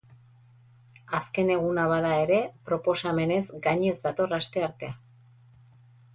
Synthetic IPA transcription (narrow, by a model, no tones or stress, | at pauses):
aske̞ne̞ɣ̞unaβaðae̞ɾe̞pɾo̞po̞same̞ne̞zɡaɲe̞zd̪at̪o̞rast̪e̞aɾt̪e̞a